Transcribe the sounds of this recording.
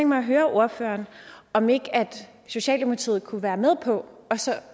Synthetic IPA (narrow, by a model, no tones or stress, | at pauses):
ŋɡ̥mɑ̈ɪæɦøːɐʔo̝ɐfø̰ːɐːnɒ̽me̝ɡ̥æd̥ | so̝ɕɛ̰ːld̥imot͡sʰḭːð̩ˠkʰuʋæːɐmeð̞ˠpʰɒ̽ɒ̽sɒ̽